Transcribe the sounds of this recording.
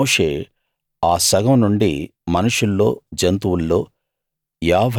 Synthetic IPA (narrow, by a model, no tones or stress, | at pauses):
oːʂeː | aːsɐɡɐmnuɳɖḭmɐnuʂulːo̞ːd͡ʒɐnt̪uwulːo̞ː | jaːʋʱ